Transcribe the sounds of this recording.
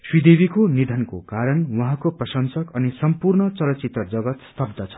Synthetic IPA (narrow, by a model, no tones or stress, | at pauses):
swid̪ebikonid̪ʱʌnko̰kaɾʌnwuɦãkoprʌsʌnsʌkʌnisʌmpurnʌt͡sʌlʌt͡sit̪ʌd͡zʌɡʌt̪st̪ʰʌbd̪ʱʌt͡sʰʌ̥